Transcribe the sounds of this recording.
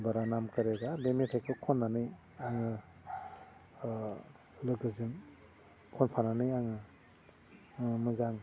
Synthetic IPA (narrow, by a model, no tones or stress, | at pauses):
baɾanamkɯɾeɡabemetʰajkʰɯkʰɔnːanɯj | aŋɯ | lɯɡɯzɯŋ | kʰɔnpʰananɯjaŋɯ | mɯzaŋ